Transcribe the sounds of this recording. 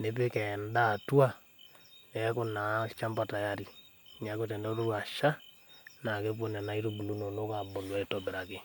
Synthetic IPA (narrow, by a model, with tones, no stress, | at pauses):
ne˦pe˦kɛ˨nda˦˨tu˦a˦ | kɛ˨ko˨na˨˦t͡ʃa˦mba˨ta˨ja˦ɾi˨ | ŋɛ˨˦ko˦t̬ɛ˨ndɛ˦ɾo˦ɾwa˨ʃa˦ | na˨ke˦p̬o˦nɛ˨na˨i˦ɾo˦bu˨lu˦no˨no˦ka˨bo˨lwɛ˨tɔbɪ˨ɾa˨ke˨